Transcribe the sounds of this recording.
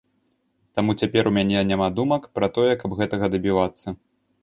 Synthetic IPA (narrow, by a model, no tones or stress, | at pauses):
t̪amut͡sʲapʲɛɾumʲanʲɛnʲamad̪umɐkpɾɐt̪ɔjɛkɐbɣɛt̪ɐɣɐd̪ɐbʲivat̪sːɐ